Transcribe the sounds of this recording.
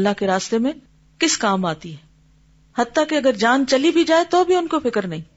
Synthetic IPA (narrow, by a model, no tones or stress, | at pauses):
lːaɦkeɾaːst̪emẽ | kɪskaːmaːt̪iɦɛː | hɐt̪t̪ːakeɐɡəɾd͡ʒaːnt͡ʃɐlibʱid͡ʒaːet̪obʱiʊnkofɪkəɾnɐɦĩː